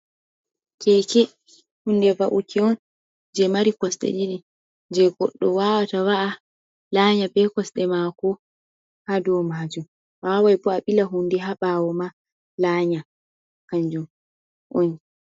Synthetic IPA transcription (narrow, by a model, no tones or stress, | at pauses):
kɛkɛ | hundɛvaʔukʰiɔn | d͡ʒɛmaɾikɔsɗɛ̰ɗiɗi | d͡ʒɛɡɔ̰ɗːɔwawatawaʔa | laɲabɛkɔsɗɛmakɔ | hadɔmaːd͡ʒum | wawajbɔaɓilaɦundɛɦaɓaːwɔma | laːɲa | kaɲd͡ʒum | ʔɔni